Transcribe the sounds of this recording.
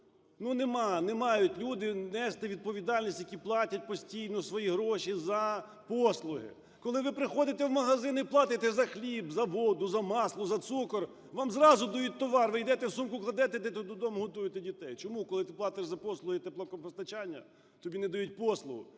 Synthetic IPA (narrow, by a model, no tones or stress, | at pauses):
nunemɑnemɑjʊtʲlʲud̪ɪnɛst̪ɪʋʲid̪̚pɔʋʲid̪ɑlʲnʲisʲtʲjɐkʲiplˠɑtʲɐt̚ʲpɔsʲtʲijnɔsʋɔjiɦɾɔʃizɐ | pɔslˠʊɦɪ̰ | kɔlˠɪʋɪpɾɪxɔd̪ɪt̪ɛwmɐɦɐzɪniplˠɑt̪ɪt̪ɛzɐxlʲibzɐʋɔd̪ʊzɐmɑslˠʊzɐt̪sukɔr | ʋɑmzɾɑzʊd̪ɐjut̚ʲt̪ɔʋɑrʋɪjd̪ɛt̪ɛwsumkʊklˠɐd̪ɛt̪et̪ɛt̪ɔd̪ud̪ɔmʊɦɔt̪ujɪt̪ɛdʲit̪ɛjt͡ʃɔmukɔlˠɪt̪ɪplˠɑt̪eʂzɐpɔslˠʊɦɪt̪eplˠɔkɔpɔst̪ɐt͡ʃanʲːɐ̰ | t̪ɔbʲinɛd̪ɐjut̚ʲpɔslˠʊɦʊ̰